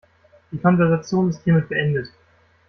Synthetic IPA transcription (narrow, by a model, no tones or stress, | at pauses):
d̥iːkʰɔnvɛɐzat͡sjoːndɛstʰeːməb̥əʔɛndət